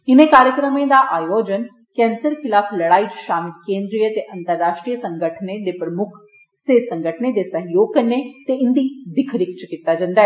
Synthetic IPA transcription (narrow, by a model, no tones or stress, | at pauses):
ɪnẽkaːɾjəkɾəmẽd̪aːʔaːjoːd͡ʒən | kɛ̃ːnsəɾkʰɪlaːfləɽaːit͡ʃʃaːmɪlkẽːnd̪ɾijət̪eʔɐnt̪əɾːaːʃʈɾijəsəŋɡəʈʰned̪eːpɾəmʊkʰ | seːd̪səŋɡəʈʰəned̪esəɦjoːɡ̚kəɾnet̪eɪnd̪id̪ɪkʰɾɪkʰt͡ʃkit̪ːad͡ʒãːnd̪aːɦɛː